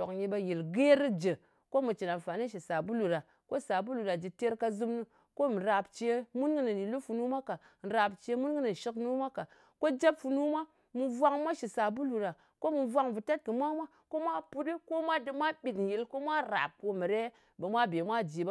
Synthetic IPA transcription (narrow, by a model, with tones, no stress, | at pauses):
o̰˨kɲi˧ba˧ji˨lɡe˦ɾɨ˦d͡ʒə˨ | ko˦mu˨t͡ʃi˨na˨nfa˨ni˦ʃi˨sa˨bu˦lu˨ɾa˨ | ko˦sa˨bu˦lu˨ɾa˨d͡ʒi˨te˦ɾka˧zɨ˦mnu˦ | ko˦m˨ɾa˨pt͡ʃe˨mu˦nɡɨ˦nɨ˨ni˨lu˦fu˨nu˦ma˦ka˨n̩˨ɾa˨pt͡ʃe˧mu˦nɡɨ˦nɨ˨ʃi˦knu˦ma˦ka˨ | ko˦d͡ʒa˦pfu˨nu˦ma˦ | mu˨vʷa˦ŋmʷa˦ʃi˨sa˨bu˦lu˨ɾa˨ | ko˦mu˨vʷa˦ŋvu˨ta˦t̚kɨ˨mʷa˦mʷa˦ | ko˦mʷa˦pu˦di˦ko˦mʷa˦dɨ˧mʷa˦ɓi˨tji˨lko˦mʷa˦ɾa̰˨p̚ko˨mi˨ɾe˦ | bə˨mʷa˦be˨mʷa˦d͡ʒi˨b